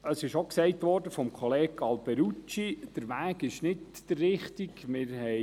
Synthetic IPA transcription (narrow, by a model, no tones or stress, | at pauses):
əsɪʃoksɛɪtʋɔrdəfɔmkχɔleːɡɑlbɛɾut͡ʃid̥əɾʋæːɡɪʃnɪtd̥ərːɪχtiɡmɪːɾɦɛ